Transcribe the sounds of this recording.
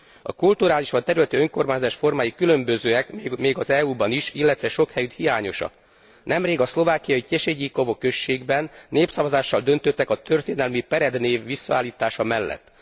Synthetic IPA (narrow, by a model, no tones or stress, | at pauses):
ɒ̰kult̪uɾaːliʃʋɒnt̪ɛɾylɛt̪yøŋko̞rmaːɲzaːʃfo̞rmaːjikylø̞mbøzøːɛkːmeːɡɒzɛuːbɒniʃilːɛt̪ʋɛʃo̞khɛjyt̪hijaːɲo̞ʃɒ̰k | nɛmreːɡɒslo̞vaːkijɒiceʃeɟikovokø̞ʃːeːɡbɛnːeːpsɒvɒzaːʃːɒld̪ø̞nt̪øt̪ːɛkɒt̪ʰø̞rt̪eːnɛlmipɛɾɛd̪neːvːisːɒa̰ːlːiːt̪aːʃɒmɛlːɛ̰t̪ː